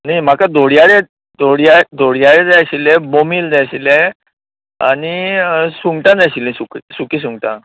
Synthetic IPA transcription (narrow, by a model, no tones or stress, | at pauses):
nim̤akad̪ʱoɽjaɽe | d̪ʱoɽjad̪ʱoɽjaɭed͡zajɕilebomiːld̪aɕile | a̰ñisuŋɡʈãd͡zajɕilĩsuksukis̬uŋɡʈã̰